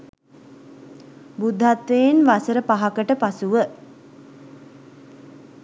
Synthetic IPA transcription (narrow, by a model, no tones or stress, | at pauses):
bud̪ʱːat̪ʋeenʋasəɾəpaɦakəʈəpasuʋə